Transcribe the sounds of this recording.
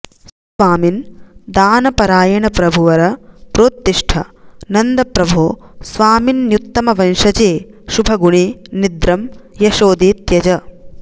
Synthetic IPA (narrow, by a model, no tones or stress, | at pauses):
s | ʋaːmind̪aːnɐpɐɾaːjɐɳɐpɾɐbʱuʋɐɾɐpɾoːt̪ːiʂʈʰɐ̰nɐnd̪ɐpɾɐbʱoːsʋaːminːjut̪ːɐmɐʋɐnʃɐt͡ʃeːʃubʱɐɡuɳinid̪ɾɐmjɐʃoːd̪iːt̪jɐd͡ʒɐ